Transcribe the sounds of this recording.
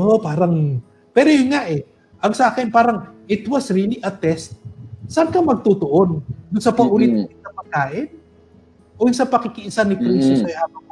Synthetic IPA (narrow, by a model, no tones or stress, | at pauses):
ʔopaːɾɐŋ | pɛːɾojʊnŋaʔɛ | ʔɐŋsɐʔaːkɪnpaːɾɐŋʔɪt̪wɐsɹiliʔɐt̪ɛst̪̚sankɐmɐɡ̚t̪ut̪oʔond̪ʊnsɐpɐʔʊɾit̪ɐŋɪsɐpɐɡ̚kaːʔɪn | ʔojʊsɐpɐkɪkɪʔɪsanɪkɾist̪ʊsɐjʔaːbɐ